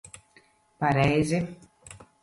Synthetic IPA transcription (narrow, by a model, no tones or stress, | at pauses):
paɾɛjzi